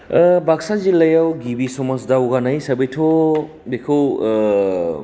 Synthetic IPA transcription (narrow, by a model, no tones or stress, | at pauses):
baksazilɐjawɡibisomɔsdawɡanajsɐbejtʰo | dekʰɯw